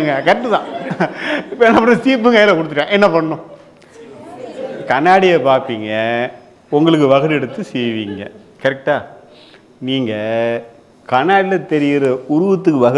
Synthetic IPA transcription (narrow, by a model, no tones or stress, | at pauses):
ŋɡɐkɐʈːɯt̪ãː | ɪpːɐɛnːɐpːɐɳnɯ̃siːpːɯŋkɐjɐlɐkɔɽɯt̪ːɯːãːʔɛnːɐpɐɳːʊ̃ | kɐnaːɽɪjɐpaːɾpiːŋɡɐ | ʊŋɡɐɭɯk̬ːɯʋɐɣɐɾɛɽɯt̪ːɯsɛjʋiːŋɡɐ | kɐɾɛk̚ʈaː | niːŋɡɐ | kɐnaːɽɪlɐt̪ɛɾɪjɪɾɯʊɾʊʋɐt̪ːɯkːɯʋɐɣ